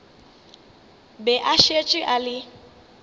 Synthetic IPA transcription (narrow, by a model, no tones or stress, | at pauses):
bɛʔaʃet͡ʃʼɪʔalɪ